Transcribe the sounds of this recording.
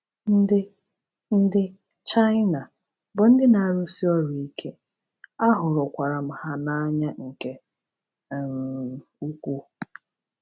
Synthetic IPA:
n̩˦dɪ˦ | n̩˦dɪ˦ | t͡ʃa˦ɪ˦na˨ | bʊ˨n̩˦dɪ˦na˨ɾʊ˦si˦ɔ˦ɾu˨i˦kʰe˦ | a˦ɦʊ˨ɾʊ˨kʷa˨ɾa˨m̩˨ha˦na˦ɲa˦ŋ̩˨ke˦ | m˨u˦kʷu˦

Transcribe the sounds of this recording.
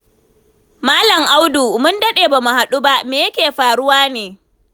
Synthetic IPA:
maː˦lɐ˨ŋʔa˦wdu˨mʊ˦ndɐ˦ɗeː˨baː˨mu˨ha˨ɗu˦ba˦ʔmeː˨jɐ˦kʲeː˨ɸaː˨ɽʊ˦waː˦neː˨

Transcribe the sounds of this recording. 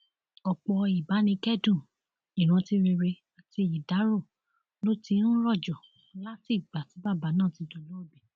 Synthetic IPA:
ɔ˨k͡pɔ˧i˨ba˨˦nĩ˧kɛ˦dũ˦˨ | i˨ɾ̃ũ˧ti˧ɾe˧ɾe˧ | a˨ti˧i˨da˨˦ɾo˦˨ | lo˦ti˧˦ɾ̃ũ˦lɔ˦˨d͡ʒɔ˨˦ | la˦ti˦˨ɡ͡ba˨ti˨˦ba˦˨ba˨˦nãː˦˨ti˨˧to˨lo˨˦o˦˨bɛ˨

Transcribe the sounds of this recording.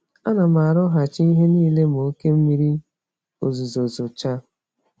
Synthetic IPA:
a˦na˨ma˨ɾʊ˦ɦa˨t͡ʃi˦i˦ɦe˦niː˦le˦m˨o˨˦ke˦m̩˦mi˦ɾi˦ | o˨zu˨zo˨zo˨t͡ʃa˦

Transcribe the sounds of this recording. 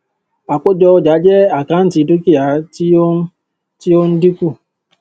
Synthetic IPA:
a˨k͡po˦d͡ʒɔ˧ɔ˦d͡ʒa˨˦d͡ʒɛ˦a˨ka˨˦n̩˦ti˨˧˦du˦ki˦ja˨˦i˦ | ti˦o˦n̩˦di˦ku˦˨

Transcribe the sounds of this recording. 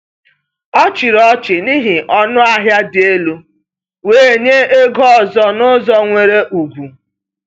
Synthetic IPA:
ɔ˦t͡ʃɪ˨ɾɔ˦t͡ʃɪ˨ni˦ɦi˨ʔɔ˦nʊ˦a˨ɦja˦dɪ˨e˦lu˦ | weː˨ɲe˦e˦ɡɔ˦ɔ˨zɔ˦nʊ˦zɔ˦ŋʷe˨ɾe˦ʔu˨ɡʷu˨

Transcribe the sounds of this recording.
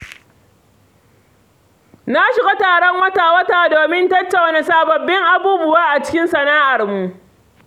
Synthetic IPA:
na˦ʃɪ˨ɡʷo˦taː˨ɽɔ˦ŋwɐ˦taː˨wɐ˦taː˨doː˨mɪ˦ntɐ˦t͡ʃːa˨wne˨saː˨bɐ˨bːɪ˦ŋʔa˨buː˦bʊ˦waː˦ʔa˨t͡ʃɪ̥˦kʲɪ˦nsɐ˨naː˦ʔa˨rmu˨ʔ

